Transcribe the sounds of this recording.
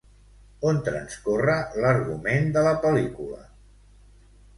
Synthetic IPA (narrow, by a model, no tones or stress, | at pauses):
ont̪ɾənskorələɾɣumend̪ələpəlikulə̰